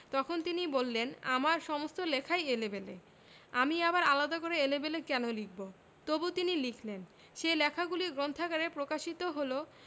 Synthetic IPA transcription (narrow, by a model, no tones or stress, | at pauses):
t̪ɔkʰont̪inibolːenamaɾʃɔmost̪olɛkʰajelebelḛ | amiabaɾalad̪akoɾeelebelekɛnolikʰbo | t̪obut̪inilikʰlen | ʃejlɛkʰaɡuliɡɾont̪ʰakaɾepɾokaʃit̪oɦolo